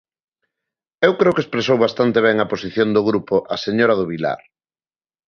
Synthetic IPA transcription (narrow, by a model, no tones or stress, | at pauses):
ewkɾeokespɾesowβast̪ant̪eβ̞ɛŋɐposiθjond̪ʊɣɾupoʔaseɲoɾɐðʊβila̰ɾ